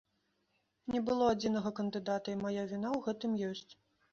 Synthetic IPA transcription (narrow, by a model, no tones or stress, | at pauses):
nʲɛbɨlˠɔad͡zʲinɐɣɐkɐnd̪ɨd̪at̪ɐimajavʲinawɣɛt̪ɨmjɔsʲt͡sʲ